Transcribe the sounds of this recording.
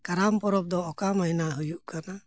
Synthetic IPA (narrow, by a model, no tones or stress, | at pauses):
kaɾampɔɾɔp̚d̪ɔːkamainaɦujuʔkʰana